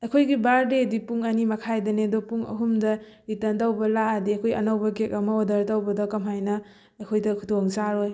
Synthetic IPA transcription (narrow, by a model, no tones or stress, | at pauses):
ɐjkʰojɡibaɾdedipuŋɐnimɐkʰajdɐnedopuŋɐ̰ɦumdɐ | itɐntawbɐlaɐdiɐkʰojɐ̰nawbɐkek̚ɐmɐodɐɾtawbɐdɐkɐmɦajnɐ | ɐkʰojdɐkʰudoŋsaɾoj